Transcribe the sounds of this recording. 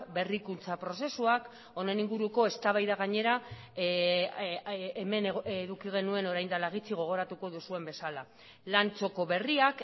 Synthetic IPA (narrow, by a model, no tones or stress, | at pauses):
be̞rikunt͡sapɾo̞se̞suak | o̞ne̞niŋɡuɾuko̞e̞st̪aβajðaɣaɲe̞ɾa | eme̞nðukiɣ̞e̞nue̞no̞ɾajnd̪alaɣ̞it͡siɣ̞o̞ɣ̞o̞ɾat̪uko̞ðusue̞mbe̞sala | lant͡so̞ko̞βe̞riak